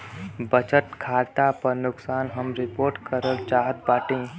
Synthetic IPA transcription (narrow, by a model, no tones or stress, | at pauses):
bət͡ʃəʈ̪kʰaːɾt̪apəɾnʊksaːnɦəmɾɪpoːɾʈkəɾəlt͡ʃaːɦət̪̚baːʈẽː